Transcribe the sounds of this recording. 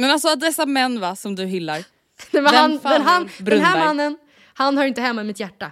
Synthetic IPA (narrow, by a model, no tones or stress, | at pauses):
mɛnalsɔad̪ɛsːamɛnːvasɔmd̪ɵɦɪlːaɾ | ɛmɛand̪ɛnɦanb̪ɛɦæːɾmanːən | hanhɑːɾɪnt̪əɦɛmːaɪmɪt̪jæʈːa